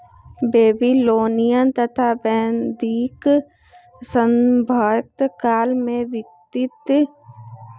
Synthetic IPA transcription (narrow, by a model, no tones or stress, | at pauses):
beːbiloːnijənt̪ɐt̪ʰabɛ̃ːnd̪iːk | sə̃mbʱaːjk̚t̪kaːlmẽʋɪk̚t̪ɪt̪